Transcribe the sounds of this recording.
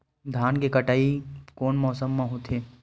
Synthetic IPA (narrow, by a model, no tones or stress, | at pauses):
d̪ʱaːnkekɐʈaːikɔːnmɔːsəmːãɦut̪ʰeː